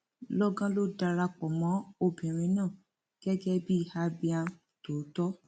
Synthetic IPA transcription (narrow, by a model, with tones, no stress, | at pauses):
lɔ˦ɡã˦lo˦da˧ɾa˧k͡pɔ˨mɔ̃˨˦o˧bĩ˨ɾ̃ĩ˧˦nãː˦˨ | ɡ̥ɛ˦ɡɛ˦bi˦˨ha˧˦bi˧a˧ | to˨˦tɔ˦